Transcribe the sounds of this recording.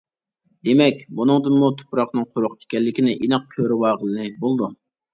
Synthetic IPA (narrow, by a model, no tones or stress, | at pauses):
d̪emɛkʲbunɨŋd̪ɨnmut̪ʰo̥pɾɑχnɨŋqʰʊɾʊqt͡ʃʰi̥kʲɛlːɪkʲinɪʔinɨq̚kʲʰøɾɪwɑːʁəlnɨbolˠd̪u